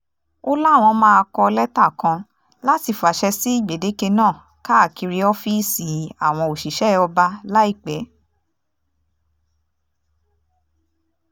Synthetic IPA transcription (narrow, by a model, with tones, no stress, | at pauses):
o˦la˦˨w̃ɔ̃˧mã˦a˧kɔ˧lɛ˦ta˦˨kã˧ | la˦ti˧fu˨a˨ʃɛ˧si˨˦i˦˨ɡ͡be˨de˨˦ke˧nãː˦˨ | ka˦a˦˨ki˧ɾi˧ɔ˦fi˦si˨˦a˨w̃ɔ̃˧o˨ʃi˨ʃɛ˨˦ɔ˧ba˧la˦i˦˨k͡pɛ˨˦